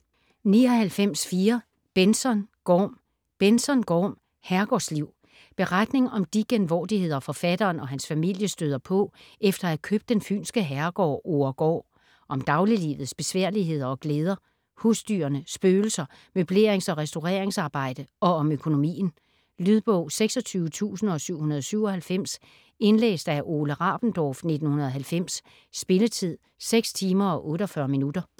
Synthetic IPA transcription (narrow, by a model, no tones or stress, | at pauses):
niɒ̽hælfem̰sfiːɐ | b̥ensɒ̽nɡ̥ɒːm | b̥ensɒ̽nɡ̥ɒːm | hæɐɡ̥ɒ̰ːsliʊ̰ | b̥e̝ʁad̥ne̝ŋɒ̽md̥iɡ̥enʋɒ̰ːd̥ihe̝ð̞̰ˠɒfɒ̽fæd̥ɐːnɒ̽ɦænsfæmil̰jəsd̥øð̞ˠɐpʰɔ̽efd̥ɐækʰøːb̥d̥enfy̰ːnsɡ̥əɦæɐɡ̥ɒ̰ːoɐɡ̥ɒ̰ː | ʔɒ̽md̥ɑ̈ʊlilḭːʋð̩ˠsb̥e̝sʋæɐ̰liɦe̝ð̰ˠɐɒ̽ɡ̥leːð̞ˠɐ | husd̥y̰ɐnəsb̥øːl̩sɐ | møb̥le̝ɐeŋsɒ̽ʁɛsd̥o̝ʁɛ̰ːɐeŋsɑ̈ːb̥ɑ̈ɪ̰d̥əɒ̽ɒ̽møkʰo̝no̝mḭːn̩ | lyð̞ˠb̥ɔʊ̰seɡ̥sɒ̽t͡sʰyːʊət͡sʰṵːsn̩ɒ̽syʊ̰hunɐð̞̩ˠɒsyʊ̰ɒ̽hælfem̰s | e̝nlḛːsd̥æʔo̝ːləʁɑ̈ːb̥n̩d̥ɒːfne̝d̥n̩hunɐðˠɦælfem̰sː | b̥e̝lət͡sʰið̞̰ˠ | seɡ̥st͡sʰiːmɐɒ̽ʔɔ̽ːɾɒfɶɐminud̥ɐ